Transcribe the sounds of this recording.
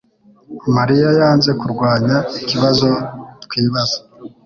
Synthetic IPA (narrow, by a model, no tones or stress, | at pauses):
maɾijajaːnze̞kuɾɡwaːɲaiciβazo̞kwiːβaz̥o̥